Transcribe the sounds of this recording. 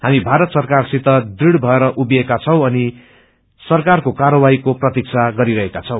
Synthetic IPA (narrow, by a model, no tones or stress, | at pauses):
hamibʱaɾʌt̪sʌrkarsit̪ʌd̪iɽbʱʌeɾʌʔubekat͡sʰʌ̃w̃ʌni | sʌrkarkokaɾʌwaikoprʌt̪ik̚t͡sʰaɡʌɾiɾʌɦekat͡sʰʌ̃w̃